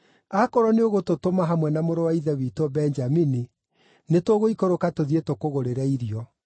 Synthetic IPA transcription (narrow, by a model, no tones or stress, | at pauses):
akɔɾɔneoɣototomaɦamwɛnamoɾowaiðɛwitɔbɛɲd͡ʒamini | netoɣoikoɾokatoðietokoɣoɾeɾaiɾiɔ